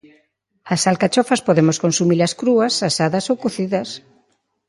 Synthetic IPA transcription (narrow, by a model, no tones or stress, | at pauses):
ɐsalkat͡ʃɔfɐspoðemoskonsumilɐskɾuɐsasaðɐsowkuθiðɐs